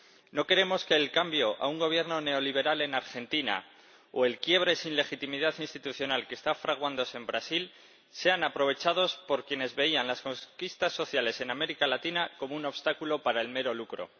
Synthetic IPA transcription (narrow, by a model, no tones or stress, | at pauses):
no̞ke̞ɾe̞mo̞ske̞ːlkambjo̞ʔa̰uŋɡo̞β̞je̞ɾno̞ne̞o̞liβ̞e̞ɾale̞naɾxe̞nt̪ina̰ | o̰e̞lkje̞β̞ɾe̞sinle̞xit̪imiðaθinst̪it̪uθjo̞nalke̞st̪afɾaɣ̞wand̪o̞sembɾasil | se̞anapɾo̞β̞e̞t͡ʃað̞o̞spo̞ɾkje̞ne̞zβe̞ianlasko̞ŋkist̪asːo̞θjale̞se̞name̞ɾikalat̪inako̞mouno̞βst̪akulo̞paɾaelme̞ɾo̞lukɾo̞̰